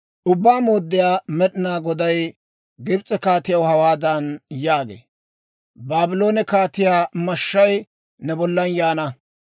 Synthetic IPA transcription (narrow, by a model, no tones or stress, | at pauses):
ʔʊbːaːmoːd̪ːɪjaːmɛɗɪnaːɡɔd̪ɐj | ɡɪbt͡sʼːɛkaːt̪ɪjɐwhɐwaːd̪ɐnjaːɡḛː | baːbɪlo̞ːnɛkaːt̪ɪjaːmɐʃːɐj | nɛbɔlːɐnjaːnɐ